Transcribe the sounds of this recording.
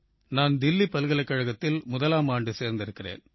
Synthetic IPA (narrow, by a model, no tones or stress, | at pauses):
naːnd̪ɪlːipːɐlɯɣɐlɐkːɐɻɐɣɐt̪ːɪlmʊðɐlaːmaːɳɖɯseːɾnd̪ɪɾɯkːɪrḛːn